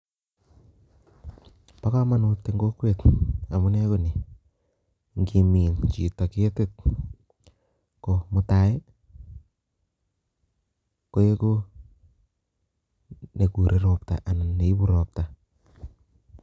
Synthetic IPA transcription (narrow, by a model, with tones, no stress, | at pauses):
pa˦ka˦ma˦nu˧tːe˨ŋɡo˦kwe˨ta˨mu˦ne˦ko˦ni˨ | ŋɡi˨mi˨nt͡ʃi˨ta˨ke˦tɪ˦t̚ | ko˨mu˦ta˦e˦ | ko˦je˦ko˦ | ne˨ku˨ɾʔe˦ɾɔpta̰˨ʔa˨n˨ne˨i˦bu˦ɾɔ˨p̚ta˨